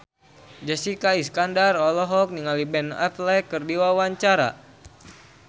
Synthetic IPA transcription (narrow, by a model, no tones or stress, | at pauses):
d͡ʒasikaiskandarɔlɔɦɔk̚niŋalibɛnɛ̰flɛkɨrdiwawaɲt͡ʃaɾa̰